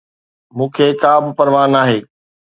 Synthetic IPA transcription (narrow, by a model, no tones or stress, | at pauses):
mũːkʰeːkaːbʱɪ̆pɐɾʋaːnaːɦeː